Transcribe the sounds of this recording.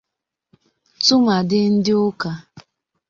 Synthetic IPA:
tʊ˦ma˨dɪ˦n̩˦dɪ˦ʊ˦ka˨

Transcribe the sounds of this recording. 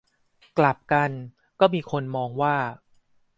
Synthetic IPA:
kla˨˩p̚ka˧n | kɔː˥˩miː˧kʰo˧nmɔː˧ŋwaː˥˩

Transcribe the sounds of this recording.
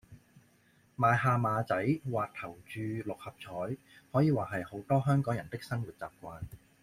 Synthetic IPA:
maː˨˧jɦaː˨˧maː˨˧t͡sɐ˨˥jwaː˨k̚t̪ʰɐ˨˩wt͡ʃyː˨˧lʊ˨k̚hɐ˨p̚t͡sʰɔː˨˥j | hɔː˨˥jiː˨˧waː˨˩ɦɐ˨jho˨˥wt̪ɔː˥ɦœː˥ŋkɔː˨˥ŋjɐ˨˩nt̪ɪ˥k̚sɐ˥nwuː˨˩t̚t͡sa̰ː˨˩p̚kʷaː˧n

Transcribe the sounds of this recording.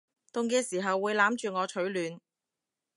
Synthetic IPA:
t̪ʊ˨˧ŋkɛː˧siː˨˩ɦɐ˨wːuː˨˧jlaː˨˥mt͡ʃyː˨ŋɔː˨˧t͡ʃʰɵ˨˥ɥlyː˨˧n

